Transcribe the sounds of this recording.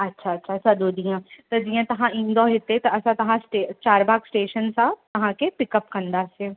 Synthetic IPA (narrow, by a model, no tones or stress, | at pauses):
ɐtːʃʰaɐtːʃʰaɐsãd̪oːd̪ĩjãt̪ɐd͡ʒijãt̪ɐɦãĩːnd̪oɦɪt̪et̪ɐɐsãt̪ɐɦãsʈet͡ʃaːɾbaːɡsʈeːʃənsãt̪ɐɦãkepɪkəpkɐ̃nd̪aseː